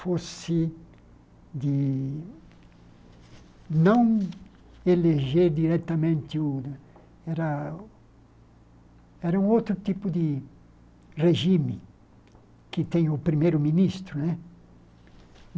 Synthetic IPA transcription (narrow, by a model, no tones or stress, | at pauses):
fosɪ | d̪ɪ | nɐ̃w̃ | eleʒeɾd̪iɾɛt̪ɐmẽnt̪ɪu | ɛɾɐ | ɛɾɐũŋowt̪ɾut̪ipud̪ɪ | reʒimɪ | kɪt̪ɛ̃ɲupɾimejɾʊminist̪ɾunɛ